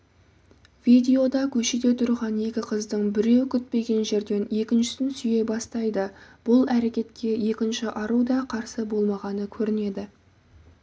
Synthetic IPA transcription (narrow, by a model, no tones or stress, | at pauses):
vid̪ʲe̞o̞d̪ɑkʲʰɵʃed̪e̞t̪ʰʊɾʁɑnje̞kʲɪqʰəzd̪əɴbɪɾe̞wkʲʰʏt̪̚pe̞ɡʲe̞nʒe̞ɾd̪e̞ne̞kʲɪnʃɪ̥sɪnsʏje̞bɑst̪ɑjd̪əb̥ʊlˠæɾe̞kʲe̞t̪kʲe̞je̞kʲɪnʃɪʔɑɾud̪ɑqʰɑɾsəbo̞lˠmɑʁɑnəkʲʰɵɾɪne̞d̪ɪ